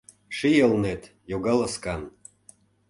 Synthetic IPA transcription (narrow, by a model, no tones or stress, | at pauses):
ʃijəlnet̪ | joɣɑləskɑn